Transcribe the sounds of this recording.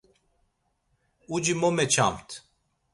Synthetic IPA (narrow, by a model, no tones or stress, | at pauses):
ud͡ʒimomɛt͡ʃʰa̰mt̪ʰ